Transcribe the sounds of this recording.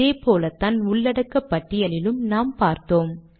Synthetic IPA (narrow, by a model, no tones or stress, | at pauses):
eːpoːlɐt̪aːnʊɭːɐɽɐkːɐpːɐʈːɪjɐlɪlɯmnaːmpaːɾt̪oːm